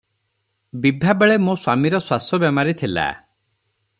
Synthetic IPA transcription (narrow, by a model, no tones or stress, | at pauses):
bibʱabeɭemũswamiɾɔswasɔbjamaɾit̪ʰila̰